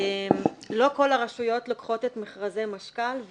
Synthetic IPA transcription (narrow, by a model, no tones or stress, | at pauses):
emlo̞ko̞laʁaʃujo̞tlokχo̞tetmeχʁazejmaʃkalv